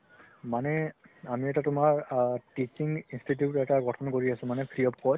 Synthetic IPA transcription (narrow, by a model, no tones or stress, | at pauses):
manɛamiɛtatʊmaɹtit͡ʃiŋɡinstʰitjutɛtaɡɔtʰɔnkoɹiasʊ̃manɛkʰɹijɔp̚kɔ